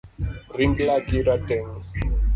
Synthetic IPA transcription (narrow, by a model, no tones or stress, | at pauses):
riŋɡlakiɾatɛŋ